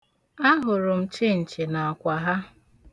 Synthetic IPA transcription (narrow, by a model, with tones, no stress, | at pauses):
a˦ɦʊ˨ɾʊ˨m̩˨˦t͡ʃɪ˦n̩˨t͡ʃɪ˨na˨a˨kʷa˨ɦa˦